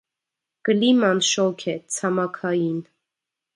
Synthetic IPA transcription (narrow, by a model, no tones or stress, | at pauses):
kəlimɑnʃɔkʰɛt͡sʰɑmɑkʰɑjin